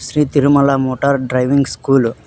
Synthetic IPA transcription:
ʃɾiːt̪iɾumɐlamoːʈɐɾɖɾɐjʋiŋɡskuːlu

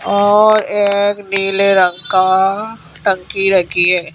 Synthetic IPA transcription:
ɔːɾeːkniːleɾə̃ŋka | ʈə̃ŋkiɾɐɡiɦɛː

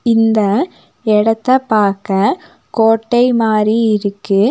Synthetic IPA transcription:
ɪnd̪ɐ | ɛɽɐt̪ːɐpaːɾkɐ | koːʈːɐɪmaːɾiɪɾɯkːɯ

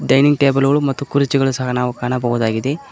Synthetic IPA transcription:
ɖɐjniŋɡʈeːbɐlɡɐɭumɐt̪ːukuɾit͡ʃiɡɐɭusɐɦɐnaːʋukaːɳɐbɐɦud̪aːɡid̪e̞

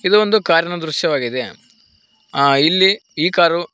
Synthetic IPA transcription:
id̪uond̪ukaːɾjɐɳɐd̪ɾuʃjɐʋaːɡid̪e | ilːiiːkaːɾu

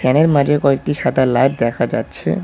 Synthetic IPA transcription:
ɛneɾmad͡ʑʱekɔek̚ʈiʃat̪alaʈd̪ɛkʰad͡ʑa̰tːɕʰḛ

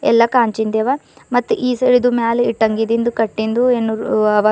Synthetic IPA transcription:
ɛ̰lːɐkaːɲt͡ʃind̪eːʋamɐt̪ːuʔiːseɭid̪umaːliʈːɐŋɡid̪ind̪ukɐʈːind̪uenːuɐʋaː

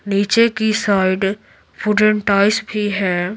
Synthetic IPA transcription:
niːt͡ʃekisaːɪɖ | puɖəɳʈaːɪsbʱiɦɛː

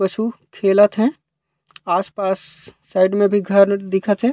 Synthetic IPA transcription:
pət͡ʃʰukʰeːlət̪ɦɛ̃ | aːspaːsː | aɪɖmẽbʱiɡʱəɾd̪ɪkʰət̪ɦɛ̃

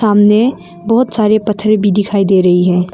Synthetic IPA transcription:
aːmne | bɔɦʊt̪saːɾepɐt̪ʰːɾebʱid̪ɪkʰaːid̪eːɾɐɦiɦɛ̃ː

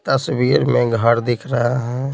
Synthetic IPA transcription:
t̪əswiːɾmẽɡʱəɽd̪ɪkʰɾəɦaɦɛ̃

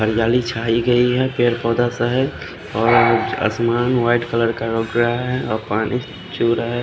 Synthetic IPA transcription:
ɦəɾijalit͡ʃʰaiɡəiɦɛpeɾpɔd̪asəɦəd͡ʒ | ɔːɾə̰smanwaiʈkələɾkaɾoɡɾɦɛɔpani | t͡ʃuɾəɦɛ

